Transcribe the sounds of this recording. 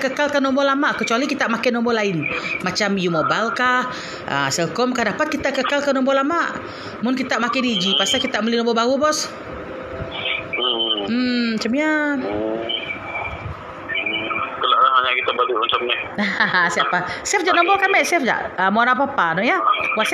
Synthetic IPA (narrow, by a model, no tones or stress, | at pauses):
kəkalkanːɔmbɔlamaʔkət͡ʃualikit̪aʔmakɪnɔmbɔlaɪnmat͡ʃamjumɔbalkah | ʔə̰sɛlkɔmkahdapat̪̚kit̪aʔkəkalkanɔmbɔlamaʔ | mʊnkit̪aʔmakɪnid͡ʒipasakit̪aʔməlihnɔ̃mbɔbaɣubɔs | m̩at͡ʃamja | kəlaʔlaɦaɲakit̪abadumat͡ʃamnɛhasiapasɛfd͡ʒaʔnɔ̃mbɔkamɛʔsɛfd͡ʒa̰ʔəmɔɾapapanɔʔjawas